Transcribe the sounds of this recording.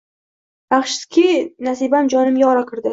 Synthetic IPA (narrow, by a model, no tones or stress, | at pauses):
aχʃɪ̥skʲʰinasibamd͡ʒɒnɪmjɒɾakʰɨɾd̪ɪ